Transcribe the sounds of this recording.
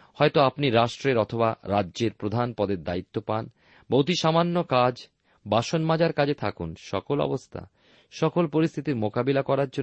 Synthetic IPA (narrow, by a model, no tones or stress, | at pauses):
hɔet̪oapniɾaʃʈɾeɾɔt̪ʰobaɾadːʑeɾpɾod̪ʱanpɔd̪eɾd̪ait̪ːopan | bowt̪iʃamanːokad͡ʑ | baʃonmad͡ʑaɾkad͡ʑet̪ʰakunʃɔ̰kolɔ̰bost̪ʰa̰ | ʃɔkolpoɾist̪ʰit̪iɾmokabilakɔɾaɾd͡ʑo